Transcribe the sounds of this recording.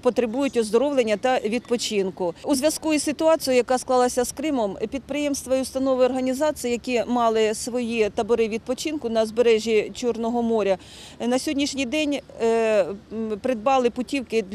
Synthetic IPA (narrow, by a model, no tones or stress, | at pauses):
pɔt̪ɾɪbujʊtʲɔzd̪ɔɾɔʋlˠenʲːɐt̪ɐʋʲid̪̚pɔt͡ʃinkʊuzʋʲjɐskuisɪt̪ʊɑt͡sʲijʊjɐkɑsklˠɑlˠɐsʲɐskɾɪmɔmpʲid̪̚pɾɪjɛmst̪ʋɐiʊst̪ɐnɔʋɪɔrɦɐnʲizɑt͡sʲijijɐkʲimɑlˠɪsʋɔjit̪ɐbɔɾɪʋʲid̪̚pɔt͡ʃinkʊnɐzbeɾɛʒʲit͡ʃurnɔɦɔmɔɾʲɐ | nɐsʲɔdʲnʲiʃnʲijd̪ɛnʲ | pɾɪd̪̚bɑlˠɪpʊtʲiwkɪ